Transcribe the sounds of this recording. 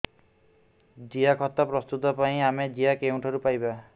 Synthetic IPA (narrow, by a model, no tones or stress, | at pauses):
d͡ʒijakʰɔt̪ːapɾɔst̪ut̪ɔpaĩamed͡ʒiakew̃ɳʈʰɔɾupajba